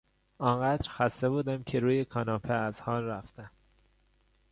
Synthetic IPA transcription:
ɒːŋɢæd̪ɾxæst̪e̞buːd̪æmcʰe̞ɾuːjekʰɒːnɒːpʰeæz̥hɒːnɾæft̪æm

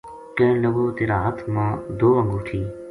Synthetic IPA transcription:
kə̃nləɡoːt̪eːɾaːɦət̪ʰmãːd̪oːə̃ŋɡoːt̪ʰiː

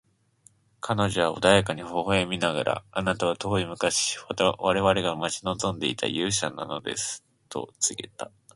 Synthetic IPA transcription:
kʰano̞ʑo̞βao̞̰d̪ajakaɲ̟iho̞hoemʲinaɡa̰ɾʔa̰anat̪aβ̞at̪o̞ːimɯ̟kaɕi̥at̪aβaɾe̞βaɾe̞ɡamat͡ɕino̞zõ̞nd̪e̞̰ḭt̪ʰa̰jɯ̟ːɕanːa̰no̞̰d̪e̞̰sɨ̥ | t̪ʰo̞̰t͡sɨɡe̞̰t̪a

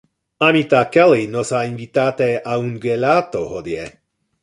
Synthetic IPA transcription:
amit̪akɛlinɔsainvit̪aːt̪ɛʔaunɡɛlat̪ohod̪jɛ

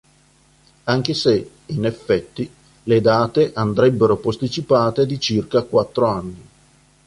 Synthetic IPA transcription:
aŋk̟ese | inefːɛt̪ːi | led̪aːt̪eʔand̪ɾɛbːeɾopost̪it͡ʃipaːt̪ed̪it͡ʃirkakwat̪ːɾoanːi

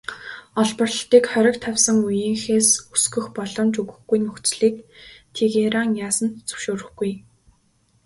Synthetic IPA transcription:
ɔɮpɞ̆rə̆ɬt̪iːkχœɾʲɪ̆kt̪ʰawsə̆ŋujĭŋxeːsusɡɵ̆xpɔɮɞ̆mt͡ɕɵɣɵ̆xɡujnɵxt͡sɮiːkt̪ʰeɣeɾaŋjaːsə̆nt̪t͡sɵ̥wʃoːɾɵ̆xɡuj

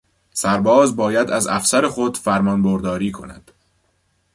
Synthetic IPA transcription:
sæɾbɒːzbɒːjæd̪æzæfsæɾe̞xo̞d̪̥fæɾmɒnboɾd̪ɒːɾiːkʰo̞̰næ̰d̪̥

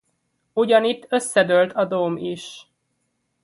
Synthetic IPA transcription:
uɟɒnit̪ːø̞sːɛd̪ølt̪ʰɒd̪oːmiʃ

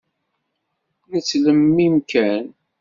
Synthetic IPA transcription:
nət͡sːləmːimkæn

